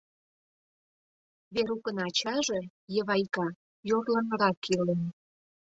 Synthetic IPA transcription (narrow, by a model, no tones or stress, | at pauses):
βeɾukə̆nɑt͡ɕɑʒe | jə̆βɑjkɑ | joɾlɑnə̆ɾɑkʰːilen